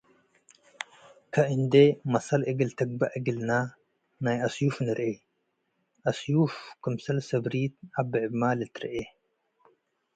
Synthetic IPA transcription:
kʰɐʔɨnd̪emɐsɐlʔɨɡɨlt̪ʰɐɡ̚bɐʔɨɡɨlna | najɐsjufnɨɾʔe | ʔɐsjufkɨmsɐlsɐbɾit̪̚abɨʕɨbmalɨt̪ɾɐ̰ʔe

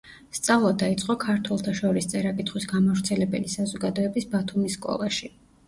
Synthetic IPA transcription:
st̪sʼavlˠad̪ait̪sʼqʼɔkʰaɾt̪ʰwɛlˠt̪ʰaʃɔɾist̪sʼɛɾakʼit̪ʰχwisɡamavɾt̪sʰɛlɛbɛlisazɔɡad̪ɔɛbisbat̪ʰumisːkʼɔ̰lˠaʃi

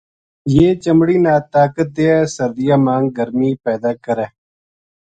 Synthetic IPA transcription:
jeːt͡ʃəmɽiːnaːt̪aːkət̪̚d̪eːɛːsəɾd̪ɪjaːmãːŋɡ̚ɡəɾmiːpɛːd̪aːkəɾɛː

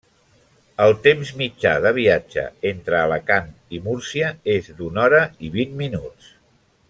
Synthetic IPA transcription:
əlˠt̪emzmid͡ʒa̰ðəβ̞iad͡ʒə̰ent̪ɾəːləkan | imuɾsiəezd̪unɔɾəiβinminus

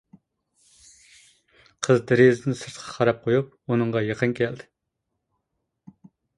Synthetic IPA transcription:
qʰəzd̪ɪɾezd̪ɪnsɨɾt̪qʰɑ̥χʰɑɾɑp̚qʰojup̚ | unɨɴʁɑjeqʰənkʲʰɛld̪ɪ

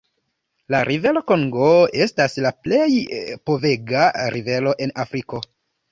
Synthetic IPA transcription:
laɾʔive̞lo̞ko̞ŋɡo̞e̞staslaple̞jpo̞ve̞ɡaɾive̞lo̞ʔe̞nafɾiko̞

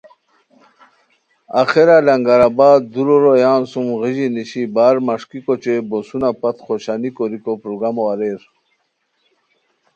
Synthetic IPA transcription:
axeɾalaŋɡaɾabaːd̪d̪uɾoɾojaːnsumɣiʑiniɕibaːɾmaʂkikot͡ɕebosunapat̪χoɕanikoɾikopɾoɡɾamoaɾeːɾ

